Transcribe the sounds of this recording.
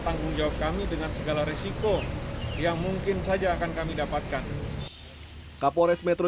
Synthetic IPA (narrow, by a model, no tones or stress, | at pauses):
t̪aŋɡʊŋd͡ʒawap̚kamidəŋansəɡalaɾesikojaŋmuŋkɪnsad͡ʒaːkankamidapat̪̚kan | kapoɾɛsmɛt̪ɾo